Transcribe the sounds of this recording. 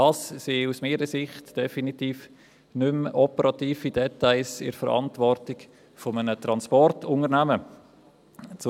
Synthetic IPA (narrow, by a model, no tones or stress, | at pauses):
dɑssiusmiːɾəsɪχtd̥ɛfinitiːf | nʏmɔpəɾɑtiːfid̥ɛtaɪlsɪ̰ɾfəɾɑ̰ntvɔrtɪk | fɔmənətɾɑnspɔrtʊŋəɾnæmə | t͡s